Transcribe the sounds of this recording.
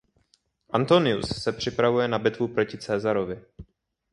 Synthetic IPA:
ʔant̪o̞nɪusːɛpr̝̥ɪpɾavujɛnabɪt̪vupɾo̞cɪt͡sɛːzaɾo̞vɪ

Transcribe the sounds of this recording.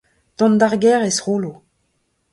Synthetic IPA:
t̪ɔ̃nd̪aʁɡɛʁesʁoːlo

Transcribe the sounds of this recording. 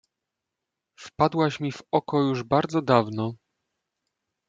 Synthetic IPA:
fpad̪waɕmʲivɔkɔjuʐbaɾd̪zɔd̪avnɔ

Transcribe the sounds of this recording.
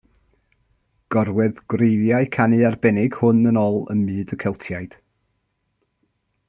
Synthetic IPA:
ɡ̥ɔrwɛðɡ̥wrejðjaɨkʰanɨarbɛnɪɡ̥hʊnənɔlˠə̰nmɨːdəkʰɛlˠtʰjajd̥

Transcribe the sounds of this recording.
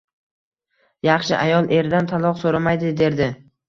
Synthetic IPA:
jɑχʃɪʔajɒlˠʔe̞ɾd̪ant̪ʰalˠɒqsoɾamajd̪ɪd̪e̞ɾd̪ɪ

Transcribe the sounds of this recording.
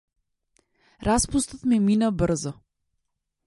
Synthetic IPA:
ɾaspust̪at̪mɛminabɾzɔ

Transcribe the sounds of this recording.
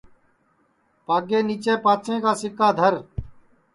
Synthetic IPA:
paːɡeːniːt͡ʃeːpaːt͡ʃẽːkaːsɪkaːd̪ʱəɾ

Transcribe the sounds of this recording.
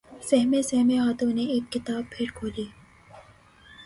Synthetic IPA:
sɛɦmẽsɛɦmẽɦaːt̪õneeːkːɪt̪aːb̚pʰɪɾkʰoːliː

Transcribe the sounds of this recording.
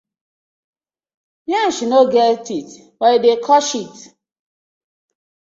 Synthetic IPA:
jãʃinoɡɛtit | waidekʰɔʃit

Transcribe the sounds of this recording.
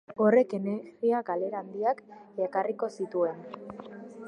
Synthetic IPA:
o̞re̞ke̞neɾɣiakale̞ɾand̪iakekariko̞sit̪ue̞n

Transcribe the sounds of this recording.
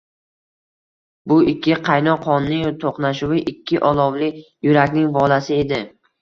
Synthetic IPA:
bʊɪkʲʰːɪqʰɑjnɒqʰɒnːɪŋt̪ʰoqnaʃʊwɪʔɪkʲʰːɪʔɒlˠɒwlɪjʊɾakʲnɪŋbɒlasɪe̞d̪ɪ

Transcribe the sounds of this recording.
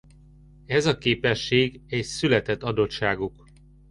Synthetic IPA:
ɛzɒkeːpɛʃːeːɡɛcsylɛt̪ɛt̪ːɒd̪o̞t̪ʃaːɡuk

